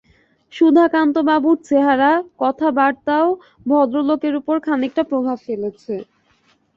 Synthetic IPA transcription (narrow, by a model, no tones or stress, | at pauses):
ʃud̪ʱakant̪obabuɾ̚t͡ɕeɦaɾakɔt̪ʰabaɽt̪ao | bʱɔd̪ɾolokeɾupoɾkʰanik̚ʈapɾobʱabfelet͡ɕʰe